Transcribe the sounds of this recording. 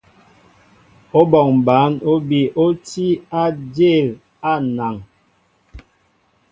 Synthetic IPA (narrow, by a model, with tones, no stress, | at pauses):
o˦bɔ˨ŋm˨ba˨˦no˦bi˦ʔo˦ti˦a˦d͡ʒe˦˨l | a˦˨na˨ŋ